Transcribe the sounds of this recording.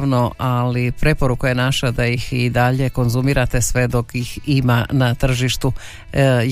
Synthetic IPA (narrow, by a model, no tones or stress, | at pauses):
ʋno̞alipɾe̞po̞ɾukaje̞naʃad̪aixid̪aʎe̞ko̞nzumiːɾat̪e̞sʋe̞d̪o̞kjiximanat̪r̩ʒiʃt̪u